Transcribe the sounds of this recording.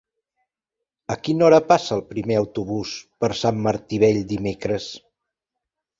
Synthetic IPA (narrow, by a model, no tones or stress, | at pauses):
əkinɔɾəpasəːlˠpɾimeəwt̪uβ̞uspəɾsamːəɾt̪iβ̞ɛʎd̪imekɾəs